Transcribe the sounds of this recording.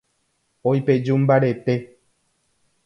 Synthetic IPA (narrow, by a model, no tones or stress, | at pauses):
ojped͡ʒum̩baɾet̪e